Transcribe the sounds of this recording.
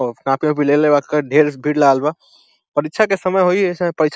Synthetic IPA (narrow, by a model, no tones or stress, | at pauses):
kãpijõbʱilelebakəɖʱeɾsbʱiɾləaɡalba | pəɾitːt͡ʃʰakesəməjɦoispəɾitːt͡ʃʰ